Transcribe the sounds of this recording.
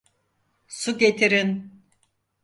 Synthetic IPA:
suɟet̪ʰiɾin

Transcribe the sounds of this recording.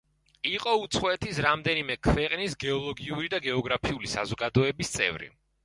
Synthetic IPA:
iqʼɔut̪sʰχɔɛt̪ʰisɾamd̪ɛnimɛkʰwɛqʼnisɡɛɔlˠɔɡiuɾid̪aɡɛɔɡɾapʰiulisa̰zɔɡad̪ɔɛbist̪sʼɛ̰vɾḭ

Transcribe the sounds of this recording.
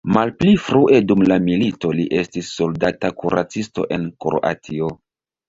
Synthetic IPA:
malplifɾuʔe̞dumlamilito̞liʔe̞stisːo̞ldatakuɾʔa̰t͡sisto̞̰ʔe̞nkɾo̰ʔa̰tʰio

